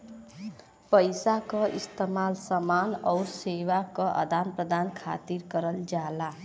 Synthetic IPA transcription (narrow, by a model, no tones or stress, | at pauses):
pʌjsakoʔist̪ʌmalsʌmanʌwɾsewakʌʔʌ̰d̪ʱanpɾʌd̪ankʰa̰t̪iɾkʌɾʌld͡ʒala